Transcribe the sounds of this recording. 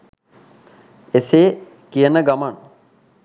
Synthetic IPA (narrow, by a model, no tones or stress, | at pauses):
eseː | kijənəɡaman